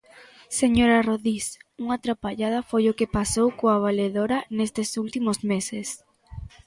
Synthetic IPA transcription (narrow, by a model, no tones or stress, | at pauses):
seɲoɾaroðisuŋat̪ɾapaʎað̞ɐfojʊkɪpasowkoaβ̞aleðoɾanest̪esult̪imozmeses